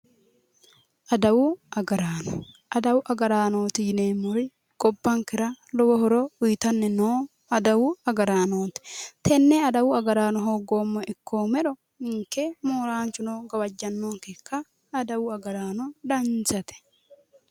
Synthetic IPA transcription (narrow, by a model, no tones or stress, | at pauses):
ʔɐd̪ɐwʊʔɐɡɐɾaːnɔ | ʔɐd̪ɐwʊʔɐɡɐɾaːnoːt̪ɪjɪneːmːʊɾɪ | ɡʼɔbːɐŋkɪɾɐlɔwɔhɔɾɔʊjt̪ɐnːɛnoː | ɐd̪ɐwʊɐɡɐɾaːnoːt̪ɪ̥t̪ʰɛnːɛɐd̪ɐwʊɐɡɐɾaːnɔɦoːɡoːmːɔʔɪkʰːoːmɛᶑɔ | ɪŋkːemoːɾaːnt͡ʃːʊnoːɡɐwɐd͡ʒːɐnːoːŋkekːɐː | d̪ɐwʊɐɡɐɾaːnɔᶑ̪ɐnt͡sɐt̪ɛ̥